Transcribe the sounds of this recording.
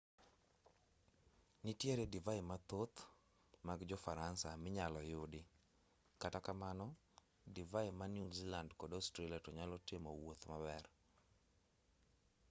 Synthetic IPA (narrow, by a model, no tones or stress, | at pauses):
nitjeɾedivajɪmat̪ot̪ | maɡd͡ʒɔfaɾansamɪɲalɔjʊdɪ | katakamanɔ | divaɪmanjuzilandkɔdɔʊstɾeliatɔɲalɔtɪmɔwot̪mabɛr